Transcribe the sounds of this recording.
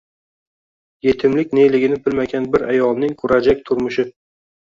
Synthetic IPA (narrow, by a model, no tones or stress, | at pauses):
je̞t̪ʰɪmlɪkʲnelɪɡʲɪnɪbɪlmaɡʲanbɪɾajɒlˠnɪŋkʰʊɾad͡ʒak̚ʲt̪ʰʊɾmʊʃɪ